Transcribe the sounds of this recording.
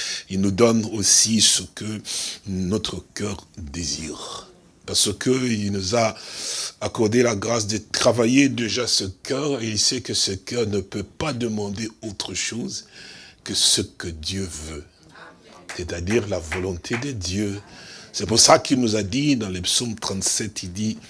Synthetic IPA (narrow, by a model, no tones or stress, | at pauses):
ilnud̪ɔnosisəkə | nɔt̪χəkœʁd̪ezḭːʁ | paʁsəkʰəilnuzaː | kɔʁd̪elaɡʁas̬d̪ət̪χavajed̪eʒasəkœʁeilsɛkəsəkœʁnəpøpad̪əmɑ̃d̪eot̪χəʃozkəsəkəd̪jøvø | set̪ad̪iʁlavɔlɔ̃t̪ʰed̪əd̪jøsɛpuʁsakilnuzad̪id̪ɑ̃ləpsomt̪χɑ̃t̪sɛt̪ild̪i